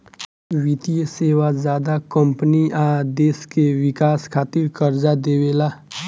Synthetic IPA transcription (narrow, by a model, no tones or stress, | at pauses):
ʋit̪ijəseːwazaːd̪akə̃mpəniaːd̪eːskewɪkaːskʰaːt̪ɪɾkəɾd͡ʒad̪eːweːlaː